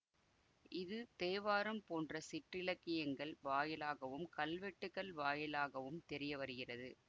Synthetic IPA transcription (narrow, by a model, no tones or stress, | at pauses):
ɪðɯt̪eːʋaːɾɐmpoːndrɐsɪʈrɪlɐkːɪjɐŋɡɐɭʋaːjɪlaːɣɐʋɯmkɐlʋɛʈːɯɣɐɭʋaːjɪlaːɣɐʋɯmt̪ɛɾɪjɐʋɐɾɯɣɪrɐðɯ